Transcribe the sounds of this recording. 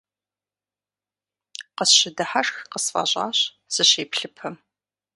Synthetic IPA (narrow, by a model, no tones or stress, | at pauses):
qəsɕɪdɐħaʂxqəsfa̰ːɕʼɑ̰ːɕ | sɨɕeːpɬɨpʰɨm